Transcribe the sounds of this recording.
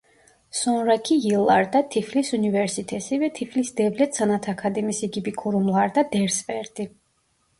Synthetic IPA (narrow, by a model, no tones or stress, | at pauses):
sɔnɾakʰiilaɾd̪at̪ʰifʰlisunivɛɾsit̪ʼʰɛsivɛt̪ʰifʰlisd̪ɛvlɛt̪sanat̪ʰakʰad̪ɛmisiɡibikʰɔɾumlˠaɾd̪ad̪ɛɾspʼɛɾd̪i